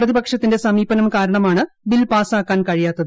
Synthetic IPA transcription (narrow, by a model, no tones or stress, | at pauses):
prɐðibɐkʂɐt̪ːinde̞sɐmiːbɐnɐmkaːɾɐɳɐmaːɳɨ | bilpaːsaːkːaːnkɐɻijaːt̪ːɐðɨ